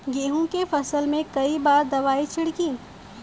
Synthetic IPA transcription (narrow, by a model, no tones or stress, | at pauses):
ɡeːɦũkefɐsəlmẽkɐibaːɾd̪ɐʋaːit͡ʃʰɪɽkĩː